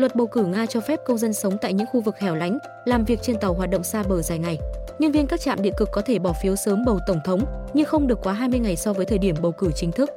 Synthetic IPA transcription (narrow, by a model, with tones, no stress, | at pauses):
lwə˨˩t̚ɓə˨˩wkɨ˧˩ŋaː˧t͡ɕɔ˧fɛ˦˥p̚kə˧wŋ͡mzə˧nsə˨˦wŋ͡mt̪a̰ː˧˨jɲɨ̰˧˥ŋxu˧vɨ˨˩k̚hɛ˨˩wla̰˧˦jŋ̟ | laː˨˩mvi˨˩ək̚t͡ɕe˧nt̪a˨˩wɦwaː˨˩t̚ɗə̰˧˨wŋ͡msaː˧ɓəː˧˩zaː˨˩jŋa˨˩jɲɨ˧ŋvi˧ənkaː˦˥k̚t͡ɕa̰ː˧˨mɗḭ˧˨əkɨ˨˩kːɔ˨˦t̪ʰe˧˩ɓɔ˧˩fi˨˦wsəː˨˦mɓə˨˩wt̪ə˧˩wŋ͡mt̪ʰə˨˦wŋ͡mɲɨ˧xə˧wŋ͡mɗɨ˨˩əkːwaː˨˦ɦaː˧jmɨ˧əjŋa˨˩jsɔ˧vəː˨˦t̪ʰəː˨˩ɗi˧˩əmɓə˨˩wkɨ˧˩t͡ɕï˨˦ŋ̟t̪ʰɨ˦˥k̚